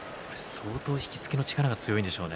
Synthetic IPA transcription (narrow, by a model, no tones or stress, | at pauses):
koɾe̞soːt̪o̞ːçi̥kʲi̥t͡sɨ̥keno̞t͡ɕi̥kaɾaɡat͡sɨjo̞ĩnd̪e̞ɕo̞ːne